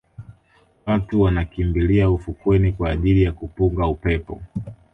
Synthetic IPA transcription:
watuwanakimbiliaufukwɛnikwaːʄilijakupuŋɡaupɛpɔ̰

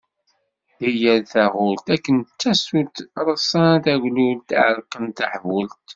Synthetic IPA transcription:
ijælθæʁʊlt̪ækːənt͡sːæsult̪ɾˤəsˤːɑnt̪æʝlult̪ʕəɾqənt̪əħvult̪

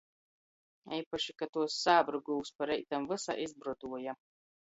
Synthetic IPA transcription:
iːpaʃikat̪uɔsːaːbɾɨɡuwspaɾɛjt̪amvɨsa̰ʔizbɾɔd̪uɔja

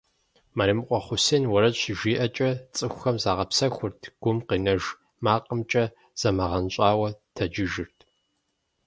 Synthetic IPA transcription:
mɐɾɨmqʷʼɔχʷʊseːnwɐɾɐɕɪʒiːʔɐt͡ʃʼɐt͡sʼɨxʷʊxɐmzaːʁɐpsɐxʷʊrtʰɡ̥ʷʊmqiːnɐʒ | maːqʼəmt͡ʃʼɐ | z̥ɐmɐʁɐnɕʼaːwɐtʰɐd͡ʒɪʒɪrtʰ

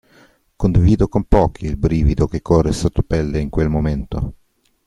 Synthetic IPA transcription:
kond̪iviːd̪okompɔːkʰiːlbɾiːvid̪okekʰːorːesot̪ːopɛlːeiŋkwelmoment̪o

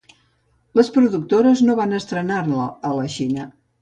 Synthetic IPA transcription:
ləspɾuðuk̚t̪oɾəznoβanəst̪ɾənarləələʃinə

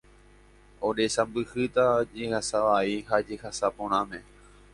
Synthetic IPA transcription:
oɾesãmbɨhɨt̪ad͡ʒehasaʋaihad͡ʒehasapõɾ̃ãmẽ

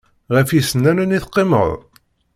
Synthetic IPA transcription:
ʁəfisənːænæniθqːemə̰ðˤ

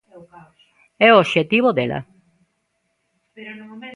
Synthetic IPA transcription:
ɛooʃet̪iβoðelʔa̰

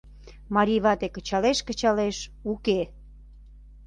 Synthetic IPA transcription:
mɑɾʲiβɑt̪ekə̥̆t͡ɕɑleʃkət͡ɕɑleʃuke

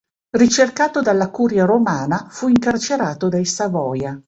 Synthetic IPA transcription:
rit͡ʃerkaːt̪od̪alːakuɾjaɾomaːnafuiŋkart͡ʃeɾaːt̪od̪ajsavɔːja

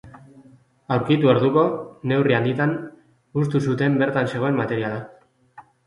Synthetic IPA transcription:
awɾkit̪ue̞ɾðuko̞ne̞wriand̪it̪an | ust̪usut̪e̞mbe̞ɾt̪anse̞ɣ̞o̞e̞mːat̪e̞ɾiaða

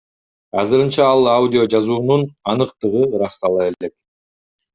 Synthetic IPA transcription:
ɑzɯɾɯnt͡ʃɑɑlˠawdʲɪo̞d͡ʒɑzuːnunɑnɯqt̪ɯʁɯɾɑst̪ɑlˠɑe̞e̞k̚

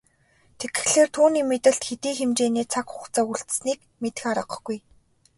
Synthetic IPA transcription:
t̪ʰeɡɘ̥̆xɮeːrt̪ʰuːniːmet̪ɘ̆ɬt̪xet̪iːxemt͡ɕeːniːt͡sʰakχʊχt͡saːuɮt̪sniːk | met̪ɘ̆xaɾə̆qə̆χɡuj

